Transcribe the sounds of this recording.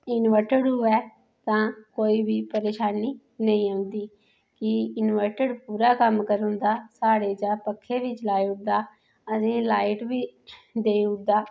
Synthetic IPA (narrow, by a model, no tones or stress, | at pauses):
ɪnʋəɾʈəɽɦʊːɛː | t̪ãːkoːiːbiːpəɾeːʃaːniː | nəĩːə̃ʊnd̪iː | kɪɪnʋəɾʈəɖpuːɾaːkəmkəɾʊ̃nd̪aːsaːɽeːd͡ʒãːpəkʰːeːʋiːt͡ʃlaːiʊd̪aː | əsĩːlaːɪʈbiːd̪eːʊd̪aː